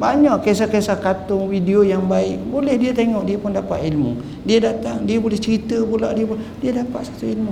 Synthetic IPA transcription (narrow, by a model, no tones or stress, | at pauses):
baɲaʔkes̬akesahkat̪ʊŋwideojaŋbaɪʔbolɛhdiat̪eŋɔʔdiapʊndapa̰t̪ilmṵ | diadat̪aŋdiabolɛht͡ʃəɾit̪əbulaʔdiəpʊldiadapat̪̚sḁt̪uilmu